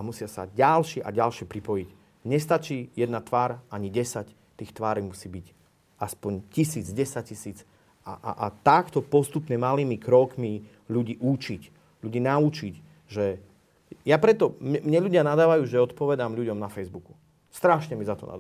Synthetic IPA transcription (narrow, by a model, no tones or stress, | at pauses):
amusɪasa̰ɟalʃɛʔa̰ɟalʃɪɛpɾipɔjic | ɲɛst̪at͡ʃiːjɛd̪nat̪ʋaːɾaɲiɟɛsac | t̪iːxt̪ʋaːɾimusiːbic | aspɔɲcisiːd͡zɟɛsac̚cisiːd͡z | a̰ʔa̰ʔat̪akt̪ɔpɔst̪upɲɛmaliːmikɾɔkmi | ʎuɟiːʔut͡ʃic | ʎuɟiːnaut͡ʃic | ʒɛ | japɾɛt̪ɔmɛmɲɛʎuɟɪanad̪aːʋajuːʒɛɔt̪pɔʋɛd̪amʎuɟɔmnafɛjzbuku̥ | st̪ɾaʃɲɛmizat̪ɔna̰d̪